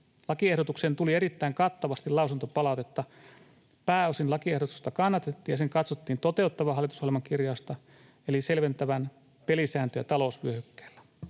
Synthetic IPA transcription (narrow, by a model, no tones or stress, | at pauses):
lɑkie̞hdo̞t̪ukseːnt̪ulie̞ɾit̪ːæiŋkɑt̪ːɑʋɑst̪ilɑusunt̪opɑlɑˑwt̪et̪ːɑ | pæːosinlɑkie̞hdot̪u̥st̪ɑkɑnːɑt̪et̪ːiːjɑseŋkɑt̪sot̪ːiːnt̪o̞t̪e̞ut̪ːɑʋɑɦɑlːˑit̪ushɑlelmɑŋkirjɑːst̪ɑ | elise̞lʋe̞nt̪æʋæn | pelisæːnt̪øjɑ̰t̪ɑlo̞usʋyøhykːe̥ːlːæ